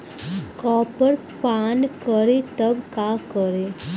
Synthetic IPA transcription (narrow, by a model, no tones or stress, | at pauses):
kɔːpəɾ | pankəɾet̪əbkakəɾe